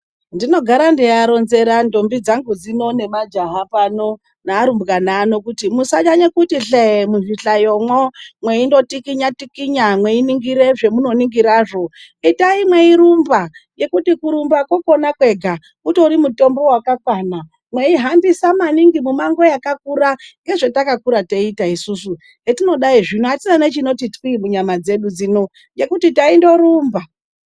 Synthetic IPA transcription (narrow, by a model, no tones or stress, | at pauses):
ndino̞ɡʱaɾandijaɾo̞nze̞ɾando̞mbid͡zaŋɡud͡zino̞ne̞mad͡ʒaɦapano̞ | naːɾumbɡanaːno̞kutimusaɲaɲekutiɬeemuʐiɬajomwomwe̞indo̞tikiɲatikiɲamwe̞iniŋɡiɾe̞ʐe̞muno̞niŋɡiɾaːʐo̞ | itaimwe̞iɾumbaje̞kutikuɾumbakwoko̞nakwe̞ɡʱa | uto̞ɾimuto̞mbo̞wakakwana | mwe̞iɦambisamaniŋɡimumaŋɡo̞jakakuɾaŋɡe̞ʐetakakuɾateitaisusu | etino̞ɗaiʐinuatinanet͡ʃino̞titwimuɲamad͡ze̞ɗud͡zino | je̞kutitaindo̞ɾuːmba